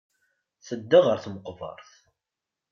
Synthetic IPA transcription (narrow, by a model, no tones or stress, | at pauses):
θəd̪ːaʁəɾθməqvə̰ɾˤθ